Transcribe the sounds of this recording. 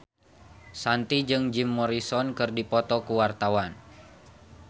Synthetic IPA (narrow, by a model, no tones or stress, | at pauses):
sant̪id͡ʒɨŋd͡ʒimːɔɾisɔnkɨrdipɔt̪ɔkuwart̪awan